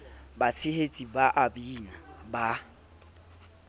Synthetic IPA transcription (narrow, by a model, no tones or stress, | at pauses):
bat͡sʰɪhet͡sʼibaʔabiːnaba